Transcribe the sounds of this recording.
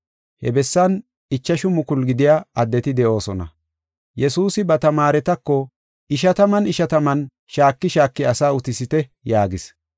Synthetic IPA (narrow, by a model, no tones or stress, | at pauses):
hɛbɛsːɐn | ɪt͡ʃːɐʃʊmʊkʊlɡɪd̪ɪjaːɐd̪ːɛt̪ɪd̪ɛʔo̞ːsɔnɐ̰ | jɛsuːsɪbɐt̪ɐmaːɾɛt̪ɐkːɔ | ɪʃɐt̪ɐmɐnɪʃɐt̪ɐmɐn | ʃaːkːɪʃaːkːɪɐsaːʊt̪ɪsɪt̪ɛjaːɡɪs